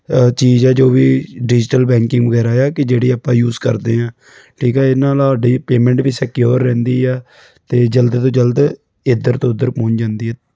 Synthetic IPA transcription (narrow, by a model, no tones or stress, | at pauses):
t͡ʃiːzɛːd͡ʒoːiːɖɪd͡ʒʈəlbɛ̃ːŋkɪ̃ŋɡʋəɡɛːɾaːjaːkɪd͡ʒeːɽiːaːpãːjuːzkə̰ɾd̪eːãː | ʈʰiːkɛːɪnãːlːɖiːpeːmɛ̃ːɳʈʋiːsɛkjoːɾːɛ̃ːnd̪iːɛː | t̪eːd͡ʒəld̪t̪õːd͡ʒəld̪ | ɪd̪əɾt̪õːʊd̪ːəɾpɔ̃ːɲd͡ʒãːnd̪iːɛː